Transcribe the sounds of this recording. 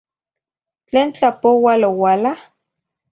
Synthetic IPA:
t͡ɬeːnt͡ɬapowalowaːla

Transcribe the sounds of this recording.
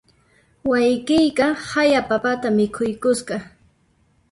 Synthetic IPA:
wajkɪjkɑhajapapat̪amɪkʰʊjkʊsɢɑ

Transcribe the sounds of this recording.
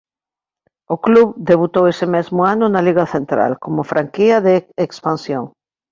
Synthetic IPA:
ʊkluβd̪eβut̪owesɪmezmʊanʊnaliɣɐθent̪ɾa̰lkomʊfɾaŋkiɐðeekspansjoŋ

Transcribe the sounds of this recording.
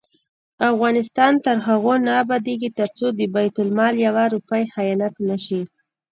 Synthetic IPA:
afɣɑnɪst̪ɑnt̪əɾɦaɣonabad̪eɡit̪əɾt͡sod̪əbajt̪ʊlmɑljawaɾupajhajɑnat̪naʃi

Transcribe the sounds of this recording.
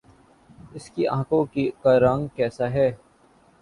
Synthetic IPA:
ɪskiãːkõkikaɾãŋkɛːsaɦɛː

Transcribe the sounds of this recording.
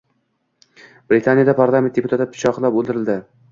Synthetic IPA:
b̥ɾɪt̪ʰanijad̪apʰaɾlˠamʲen̚d̪ʲepʰʊt̪ʰat̪ːapʰɪ̥t͡ʃʰɒqlˠapolˠd̪ɪɾɪld̪ɪ

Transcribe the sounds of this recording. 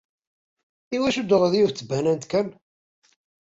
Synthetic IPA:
iwæʃud̪əʁðjuθt͡sːəbænænt̪kæn

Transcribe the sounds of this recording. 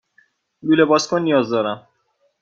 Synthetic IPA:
lulebɒːskʰonːijɒːzd̪ɒːɾæm

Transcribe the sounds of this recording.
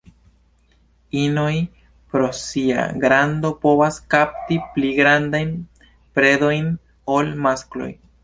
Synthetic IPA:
inoj | pɾo̞sia̰ɡɾand̪o̞po̞βaskap̚tipliɡɾand̪ajn | pɾe̞do̞jn | olmasklo̞̰j

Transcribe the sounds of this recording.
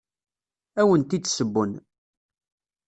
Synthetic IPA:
æwənt̪id̪səbːʊn

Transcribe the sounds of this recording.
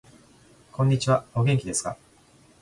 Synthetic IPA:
kʰõ̞ɲ̟ːit͡ɕiβaoɡe̞ŋkʲid̪e̞sɨ̥ka̰

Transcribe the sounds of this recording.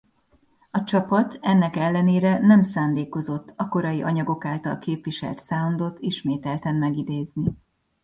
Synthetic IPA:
ɒt͡ʃɒpɒt̪ʰɛnːɛkɛlːɛneːɾɛnɛmsaːnd̪eːko̞zo̞t̪ːɒko̞ɾɒjiʔɒɲɒɡo̞kaːlt̪ɒlkeːpʋiʃɛ̰lt̪saːond̪o̞t̪ʰːiʃmeːt̪ɛlt̪ɛnmɛɡid̪eːzni

